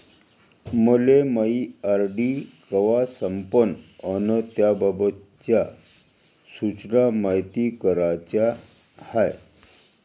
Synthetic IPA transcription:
məleməiaɾɖikəʋasəmpənənət̪jababət̪t͡ɕja | sut͡ɕnamajt̪ikəɾat͡ɕja | haj

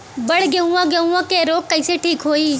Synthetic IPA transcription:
bəɽ̤ɡeũːãːɡeũːãːkeːɾoːkːəɪseːʈʰiːkɦoːiː

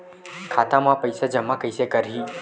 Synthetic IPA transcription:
kʰat̪amãpəjsad͡ʒəmːakəjsekəɾɦi

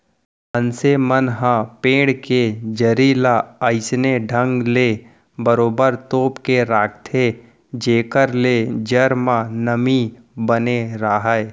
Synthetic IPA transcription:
ənsemənɦãpẽːɽked͡ʒəɾiːlaəɪsneɖʱə̃ŋɡleː | bəɾoːbəɾt̪oːpkeɾaːkt̪ʰe | d͡ʒeːkəɾled͡ʒəɾmãnəmi | bəneɾaːɦəe

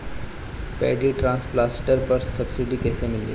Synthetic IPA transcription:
pḛːɖiʈɾãːnsplaːsʈəɾpɐɾsɐbsɪɖikeːsemɪlḛ

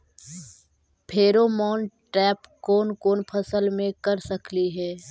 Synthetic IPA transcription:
pʰeːɾoːmɔːn | ʈɛːpkoːnkoːnpʰɐsəlmẽkɐɾsɐkliɦɛː

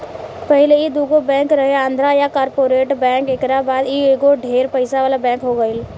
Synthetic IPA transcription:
pəɦɪleid̪uːɡobɛ̃ːŋkɾəɦeãːnd̪ʱɾajakaːɾpoːɾeːʈbɛ̃ːkekɾabaːd̪ieɡoɖʱeːɾpəɪsaʋaːlabɛ̃ːkɦoɡəɪl

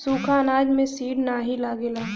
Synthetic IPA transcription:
suːkʰanaːd͡ʒmẽsiːɖnaːɦilaːɡeːlaː

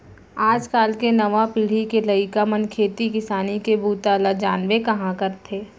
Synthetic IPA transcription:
aːd͡ʒkaːlkenɐʋapɪɽ̤ikelɐɪkamənkʰeːt̪ikɪsaːnikebuːt̪alad͡ʒaːnʋekɐɦãkɐɾt̪ʰeː

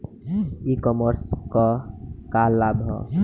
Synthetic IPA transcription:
ikɔməɾskɔkalːabʱɔ̰

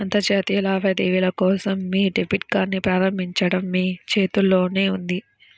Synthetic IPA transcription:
ɐnt̪ɐd͡ʒaːt̪ijlaːʋɐd̪eːʋilɐkɔːsɐmːiːɖepiʈ̚ɡaːɾnipɾaːɾɐmbʱiɲt͡ʃɐɽɐmːiːt͡ʃe̞ːt̪ulːo̞ːne̞ːund̪i

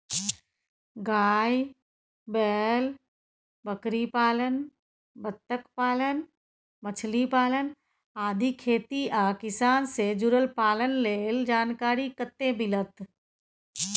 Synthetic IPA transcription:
ɡaːj | bɛːl | bəkɾipaːlən | bət̪ːəkpaːlən | mət͡ʃʰlipaːlən | aːd̪ʱikʰeːt̪iaːkɪsaːnsed͡ʒʊɾəlpaːlənleːld͡ʒaːnkaːɾikət̪ːẽbɪlət̪

